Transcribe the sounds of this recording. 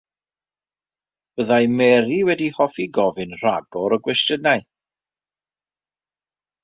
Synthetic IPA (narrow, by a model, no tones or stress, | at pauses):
b̥əðajmɛɾiwɛdihɔfiɡɔvɪnr̥aɡɔɾɔɡwɛstjənaj